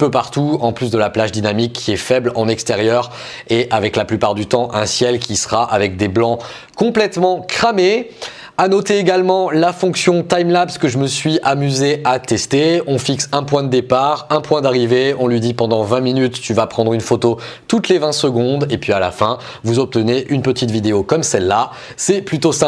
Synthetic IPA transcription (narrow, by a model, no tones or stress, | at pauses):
pøpaʁt̪uɑ̃plys̬d̪əlaplaʒd̪inamikʰːiɛfɛblɑ̰̃nɛkst̪eʁjœʁ | eʔavɛklaplypaʁd̪yt̪ɑ̃ʔɛ̃sjɛlkʲisə̥ʁaʔavɛk̚d̪eblɑ̃ | kɔ̃plɛt̪mɑ̃kχame | anɔt̪eːɡalmɑ̃lafɔ̃ksjɔ̃t̪ajmlapi̥skəʒəməsɥiʔamyzeat̪ɛst̪eɔ̃fiksɛ̃pwɛ̃d̪əd̪epaʁɛ̃pwɛ̃d̪aʁiveɔ̃lɥid̪ipɑ̃d̪ɑ̃vɛ̃minyt̪ːyvapχɑ̃d̪ʁynfot̪o | t̪ut̪levɛ̃səɡɔ̃d̪epɥiala̰fɛ̃ | vuzɔp̚t̪əneʔynpət̪it̪vid̪eokɔmsɛlːa | sɛplyt̪osɛ̃